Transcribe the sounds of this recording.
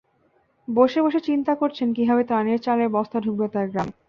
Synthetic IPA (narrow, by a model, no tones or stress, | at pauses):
boʃeboʃet͡ɕint̪akoɾt͡ɕʰenkibʱabet̪aneɾt͡ɕaleɾbɔst̪ʰadʱuk̚bet̪aɾɡɾam